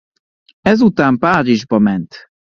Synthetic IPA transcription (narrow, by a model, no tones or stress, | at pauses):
ɛzut̪aːmpaːɾiʒbɒmɛnt̪